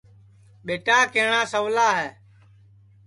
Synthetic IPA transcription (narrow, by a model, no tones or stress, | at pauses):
ɓeːʈaːkeːɳãːsəʋlaːɦɛː